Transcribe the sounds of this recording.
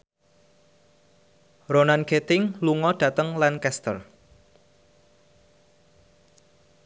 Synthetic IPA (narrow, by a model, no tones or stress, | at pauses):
ronanɡet̪ɪŋluŋɔd̥ä̤t̪əŋlankɛst̪ə̰r